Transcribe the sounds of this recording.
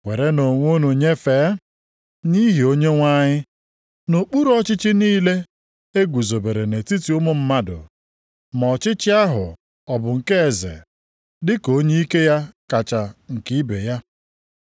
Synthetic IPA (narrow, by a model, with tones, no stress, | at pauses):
we˨ɾe˦no˨ŋʷo˦nu˨ɲe˦feː˨˦ | ni˦ɦi˨o˦ɲe˦ŋʷa˦ɲɪ˦ | no˨k͡pu˦ɾɔ˦t͡ʃɪ˦t͡ʃɪ˦niː˦le˦ | e˦ɡʷu˨zo˨be˨ɾe˨ne˨ti˦ti˨ʊ˦mʊ˦m̩˦ma˦dʊ̰˨ | mɔ˨t͡ʃɪ˦t͡ʃɪ˦a˦ɦʊ̰˨ | ɔ˨bʊ˨ŋ̩˨ke˦e˨zḛ˨ | dɪ˦ko˦ɲe˦i˦ke˦ja˦ka˨t͡ʃa˨ŋ̩˨ki˦be˨ja˦